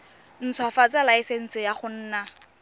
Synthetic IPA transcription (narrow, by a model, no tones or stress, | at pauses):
n̩t͡sʰwafat͡salaɪsen̩sɪjaχʊn̩ːna